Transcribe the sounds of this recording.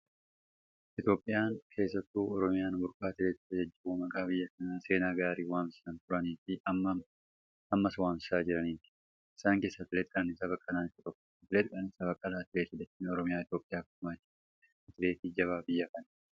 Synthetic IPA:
ʔɪt̪jo̞ːpʼːɪjaːŋkʰe̞ːsːɐt̪ːuːɔɾɔmɪjaːnbʊɾkʼaːt̪ɪɾeːt̪ːɪ̥t̪ːɐd͡ʒɐd͡ʒːɐbuːmɐkʼaːbɪjːɐkɐnaːse̞ːnaːɡaːɾiːwaːmsɪ̥sɐnt̪ʊɾɐniːfɪɐ | ɐmːɐswaːmsɪ̥saːd͡ʒɪɾɐniːt̪ɪ̥ | ɪ̥saːŋke̞ːsːɐt̪ɪlɛt̪ɪkʼɐnɪsabɐkʼːɐlaːnɪkːʊt̪ɔkːɔ̥t̪ɪlɛt̪kʼɐnɪsabɐkʼːɐlaːt̪ɪɾeːt̪ɪd̪ɐt̪ːinɔɾɔmɪjaːɪt̪jo̞ːpʼːɪjaːkʊmaːt͡ʃːɪ | ɐt̪ɪɾeːt̪iːd͡ʒɐβaːbɪjːɐkɐnɐ

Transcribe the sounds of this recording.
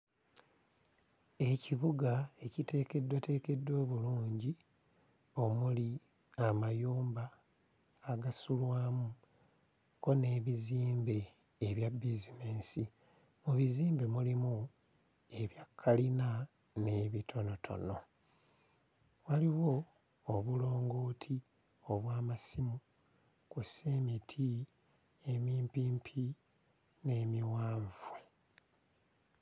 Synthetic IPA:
e̞ciβuɡae̞cite̞ːke̞dːwate̞ːke̞dːo̞ːβuluːɲɟi | o̞muli | amajuːmbaː | ɡasulwaːmu | ko̞ne̞ːβiziːmbe̞ː | βjabizine̞ːnsi | muβiziːmbe̞mulimu | e̞βjakʰːalina | ne̞βitʰo̞no̞tʰo̞̰no̞ | waliwo̞ː | βulo̞ːŋɡo̞ːtʰi | o̞βwaːmasimu | kusemitʰi | emiːmpiːmpʰi | ne̞ːmiwaːɱvu

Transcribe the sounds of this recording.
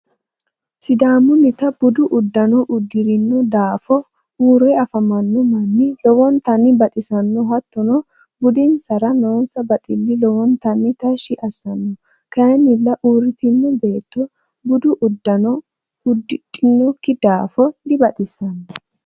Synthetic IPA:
sɪd̪aːmʊnɪt̪ɐb̥ʊd̪ʊʔʊd̪ːɐnɔʔʊd̪ːɪɾɪnːɔd̪aːfɔ | uːɾɛɐfɐmɐnːɔmɐnːɪlɔwɔnt̪ɐnːɪbɐt̪ʼɪsɐnːɔhɐt̪ːɔnɔ | bʊd̪ɪnsɐɾɐnoːnsɐbɐt̪ʼɪlːɪlɔwɔnt̪ɐnːɪt̪ɐʃɪʔɐsɐnːɔ | kɐjɛnːɪlːɐʔuːɾɪt̪ɪnːɔbe̞ːt̪ːɔ | bʊd̪ʊʔʊd̪ːɐnɔ | ʊd̪ːɪtʼːɪnːɔkːɪd̪aːfɔd̪ɪbɐt̪ʼɪsɐnɔ

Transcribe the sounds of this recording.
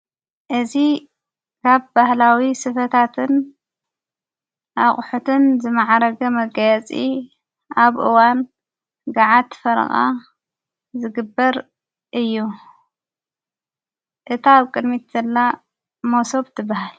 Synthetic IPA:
ʔɨzi | kʰaβbahlawisɨfɐt̪ʰat̪ʰɨn | ʔaχʼħut̪ʰɨnzɨmaʕaɾɐɡɐmɐɡɐjɛt͡sʼi | ʔaβʔɨwan | ɡaʕat̪fɐɾɐ̰xʼa̰ | zɨɡɨbːɐɾ | ʔɨjːu | ʔɨt̪ʰaβkʼɨd̪mit̪zɐlːa | moso̞βt̪ʰɨbːahal

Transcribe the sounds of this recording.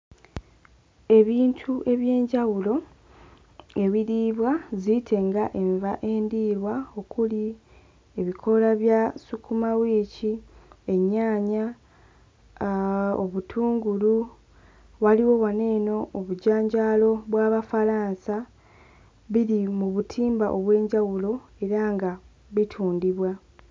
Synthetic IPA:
e̞βiːntʰuʔe̞βje̞ːɲɟawulo̞ | e̞βiɾiːβwazitʰe̞ŋɡaʔe̞ɱvaʔe̞ːndiːɾwao̞kuli | e̞βikʰo̞laβjasukumawiːcie̞ɲːaːɲa | oβutʰuːŋɡulu | waliwo̞wane̞ːno̞ʔːβuɟaːɲɟaːlo̞βwaːβafaɾaːnsa | βiɾimuβutʰiːmba̰ʔo̞βwe̞ːɲɟawulo̞e̞ɾaŋɡa | βitʰuːndiβwa

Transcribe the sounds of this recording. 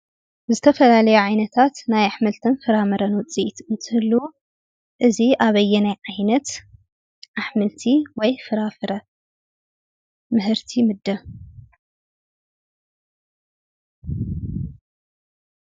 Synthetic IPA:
zɨt̪ʰɐfɐlalɐjuʕajnɐt̪ʰat̪najaħmɨlt̪ʰɨnfɨɾamɨɾɐnwt͡sʼit̪ɨnt̪ʰɨhɨlːu | ʔɨziʔaβɐjːɛnajʕajnɐt̪ | ʔaħmɨlt̪ʰiwɔjfɨɾafɨɾɐ | mɨɦɨɾt̪ʰimɨd̪ːɐ

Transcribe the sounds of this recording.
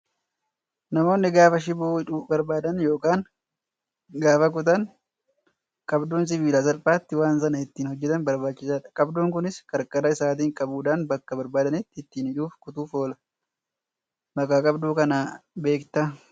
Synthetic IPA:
nɐmo̞ːnːɪɡaːfɐʃ̬ɪbuːɪᶑubɐɾbaːd̪ɐnjo̞ːkaːn | ɡaːfɐk̬ʊt̪̬ɐn | kʼɐbd̪uːns̬ɪbiːlasɐlpʼaːt̪ːɪwaːnsɐnɐɪt̪ːiːnhɔd͡ʒːɛt̪ɐnbɐɾbaːt͡ʃːɪsaːᶑɐ̥kʼɐbd̪uːŋkʊnɪskɐɾkʼɐɾɐɪsaːt̪̬iːŋkʼɐbuːᶑaːnbɐkːɐbɐɾbaːd̪ɐnɪt̪ːɪɪt̪ːiːnɪᶑuːfkʊt̪uːfo̞ːlɐ̥ | mɐkʼːaːkʼɐbd̪uːkɐnaːbe̞ːkt̪a

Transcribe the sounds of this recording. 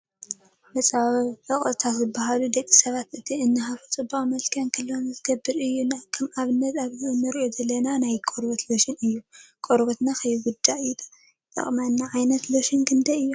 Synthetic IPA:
mɐt͡sʼɨχʼɨt̪ʰat̪zɨbːaɦalud̪ɐkʼːisɐβat̪ɨt̪ʰiɨnːɨɦafut͡sʼɨbawmɐlkʰankʰɨlːonzɨɡ̥ɐbːɨɾɨjːunakʰɐmaβɨnːɐt̪aβzɨɨnːɨɾʔozɐlːɐnanajkʼoɾbɐt̪loʃɪnɨjːukʼoɾbɐt̪nakʰɐjiɡʊd̪ːaid̪a | t̪ʼɐ̰χʼmɐnːaʕajnɐt̪loʃɪnkʰɨnd̪ɐɨjːu

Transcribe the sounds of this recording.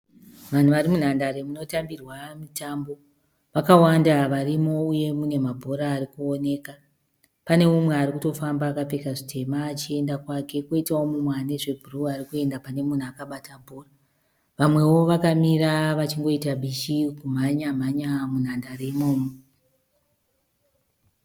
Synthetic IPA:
ʋan̤uʋaɾimun̤andaɾe̞muno̞tambirwamitambo̞ | ʋakawandaʋarimo̞uje̞mune̞mabʱo̞ɾaːrikuo̞ne̞ka | pane̞mumwe̞aɾikuto̞fambaːkape̞kaʐitʰe̞maːt͡ʃie̞ndakwake̞koitawomumwane̞ʐe̞bʱuruarikue̞ndapane̞mun̤uakaɓatabʱo̞ra | ʋamwe̞wo̞ʋakamiɾaʋat͡ʃiŋɡo̞itaɓʱiʃikum̤aɲam̤aɲamun̤andaremoːmo

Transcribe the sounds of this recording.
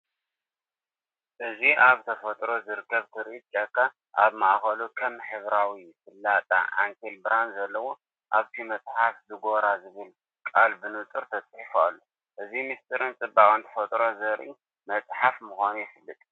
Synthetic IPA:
ʔɨziaβt̪ʰɐfɐt̪ʼɾo̞zɨɾɨkʰːɐβt̪ʰɨɾʔit͡ʃʼɐkʰːa | ʔa̰βmaʔxɐlukʰɐmħɨβɾawifɨlːat̪ʼa̰ʔa̰ŋkʰelbɾanzɐlːɐwo | ʔaβt̪ʰimɐt͡sʼħaflɨɡo̞ɾazɨβɨl | kʼalbɨnut̪ʼɨɾt̪ʰɐt͡sʼħifua̰lːo | ʔɨzimist̪ʼʰɨɾɨnt͡sʼɨbːakʼɨnt̪ʰɐ̥fɐt̪ʼɾo̞zɐɾʔi | mɐt͡sʼħafmuxʷanujɪfɨlːɨt̪ʼ

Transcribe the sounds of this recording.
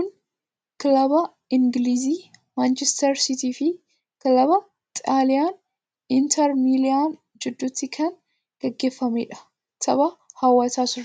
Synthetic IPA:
kʊn | klɐbɐ | ɪŋɡliːziː | maːnt͡ʃɛst̪ɐɾsɪt̪iːfɪ | kɐlɐbɐ | t̪ʼaːlɪjaːn | ɪnt̪ʰɐɾmiːlɪan | d͡ʒɪd̪ːuːt̪ːɪkʰɐn | ɡ̥ɛɡːe̞ːfːɐmḛːᶑɐ̥ | t̪ʰɐbɐhɐwːɐsaːsʊɾ

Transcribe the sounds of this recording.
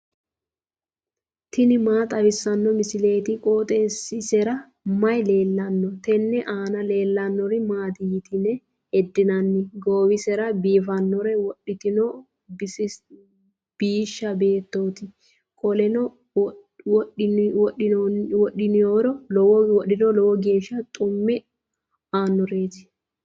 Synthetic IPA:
t̪ɪnɪmaːt̪ʼɐwɪsːɐnːɔmɪsɪle̞ːt̪ɪkʼoːt̪ʼɛnsɪsɛɾɐ | mɐjleːlːɐnːɔt̪ɛnːɛʔaːnɐle̞ːlːɐnːɔɾɪmaːt̪ɪjɪt̪ɪnɛ | hɛd̪ːɪnɐnːɪɡoːwɪsɛɾɐbiːfɐnːɔɾɛwɔɗːɪt̪ɪnɔ | bɪsɪ | b̥iːʃːɐbe̞ːt̪ːoːt̪ɪ | kʼɔlɛnɔ | wɔwɔʔɪwɔɗːɪnɪjoːɾɔlɔwɔwɔɗɪnɔlɔwɔɡe̞ːʃːɐt̪ʼʊmːɪ | aːnːɔɾeːt̪ɪ̥

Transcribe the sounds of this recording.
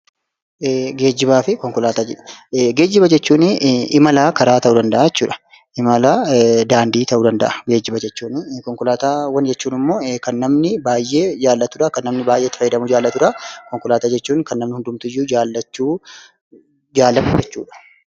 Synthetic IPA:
ɡe̞ːd͡ʒːɪbaːfɪkɔŋkʊlaːt̪aːd͡ʒɛᶑɐ̥ɡe̞ːd͡ʒːɪbɐd͡ʒɛt͡ʃːuːnɪɪmɐlaːkɐɾaːt̪ɐʔuːd̪ɐnd̪ɐʔaːjɛt͡ʃːuːᶑɐ̥ | ʔɪmɐlaːd̪aːnd̪iːt̪ɐʔuːd̪ɐnd̪ɐʔaɡe̞ːd͡ʒɪbɐd͡ʒɛt͡ʃːuːnkɔŋkʊlaːt̪aːwɐnd͡ʒɛt͡ʃːuːnɪmːo̞ːkɐnːɐmnɪbaːjːe̞ːd͡ʒaːlːɐt̪ʊᶑakɐnːɐmnɪbaːjʔet̪ːɪfɐjːɪd̪ɐmʊd͡ʒaːlːɐt̪ʊɾakɔŋkʊlaːt̪aːd͡ʒɛt͡ʃːuːnkɐnːɐmnɪhʊnd̪ʊmt̪ʊɪjːuːd͡ʒaːlːɐt͡ʃːuː | d͡ʒaːlːɐfʊd͡ʒɛt͡ʃːuːᶑɐ̥

